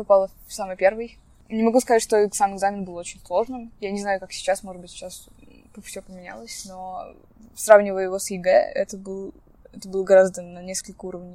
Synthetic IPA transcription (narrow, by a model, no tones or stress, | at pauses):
pɐpalˠə | fsamɨjpʲe̞rvɨj | nʲɪmɐɡuskɐzatʲʂt̪oɛk̪samɨɡzamʲɪnbɨlˠot͡ɕɪnʲslˠo̞ʐnɨmjanʲɪznajʊkaksʲɪ̥t͡ɕasmoʐɨd̪̚bɨtʲt͡ɕːas | pəfʲsʲopəmʲɪnʲa̰lˠəsʲno̞ | sravnʲɪvəjəɪvosɪɡɛ̰ɛ̰t̪əbɨlˠ | ɛt̪əbɨlˠəɡɐɾazd̪ənɐnʲeskəlʲkəuɾəvnʲɪj